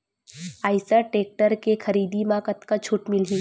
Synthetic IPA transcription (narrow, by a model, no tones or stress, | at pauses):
aːɪsəʈeːk̚ʈəɾkexʰɐɾiːd̪imãːkət̪kat͡ʃʰʊʈmɪlɦi